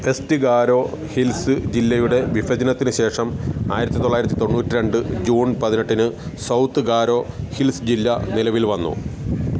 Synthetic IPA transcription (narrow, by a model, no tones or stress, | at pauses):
e̞stɨɡaːɾo̞ː | hilsɨd͡ʑilːɐjuɽe̞ʋifɐd͡ʑɐnɐt̪ːinɨɕe̞ːʂɐmaːjiɾɐt̪ːit̪oɭːaːjiɾɐt̪ːit̪o̞nːuːtːiɾe̞ɳɖɨd͡ʑuːnpɐðine̞ʈːinɨsɐwt̪ːɨɡaːɾo̞ːhilsd͡ʑilːɐnilɐʋilʋɐnːṵ